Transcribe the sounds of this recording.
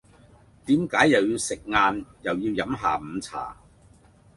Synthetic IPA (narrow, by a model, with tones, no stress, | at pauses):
t̪iː˨˥mkaː˨˥jːɐ˨wjiː˧wsɪ˨k̚ŋaː˧njɐ˨˩wjiː˧wjɐ˨˥mɦaː˨m̩ː˨˧t͡sʰa̰ː˨˩